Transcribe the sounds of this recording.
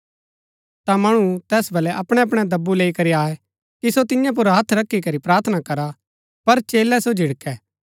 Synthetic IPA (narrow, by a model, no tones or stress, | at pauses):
t̪amɐɽ̃ũt̪ɛːsbɐlɛʔɐpɽ̃ɛ̃ɐp̬ɽ̃ɛd̪ɐbːuleːikɐɾiaːɛ | kisot̪ɪjãp̬ʊɾɦɐt̪ʰɾɐkʰːikɐɾipɾaːɾt̪ʰənakɐɾa | pɐɾt͡ʃeːlɛsod͡ʒʱɪɽkɛː